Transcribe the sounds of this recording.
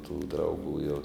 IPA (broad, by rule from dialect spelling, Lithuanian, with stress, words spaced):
tuː drɐʊˈɡuː jɛʊ